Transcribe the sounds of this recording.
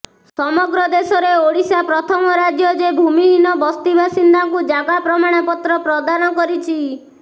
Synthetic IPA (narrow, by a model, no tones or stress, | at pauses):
sɔmɔɡɾɔd̪esɔɾeoɽisapɾɔt̪ʰɔmɔɾad͡ʒjɔd͡ʒebʱumiɦinɔbɔst̪ibasind̪aŋkud͡ʒaɡapɾɔmaɽ̃epɔt̪ɾɔpɾɔd̪anɔkɔɾit͡ʃʰi